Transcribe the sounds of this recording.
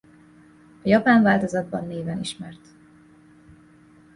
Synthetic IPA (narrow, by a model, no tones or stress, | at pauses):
ɒjɒpaːɱvaːlt̪o̞zɒd̪̚bɒnːeːvɛniʃmɛrt̪